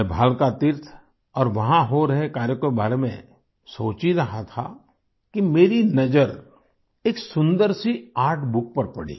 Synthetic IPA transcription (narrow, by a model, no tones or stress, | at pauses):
bʱaːlkat̪ɪɾt̪ʰ | ɔːɾʋɐɦãɦoɾɐɦekaːɾjəkobʱaːɾemẽ | soːt͡ʃiɾɐɦat̪ʰa̰ | kimeːɾinɐd͡ʒəɾ | eːksʊ̃nd̪əɾsiaːɾʈʰbʊk̚pəɾpɐɽḭː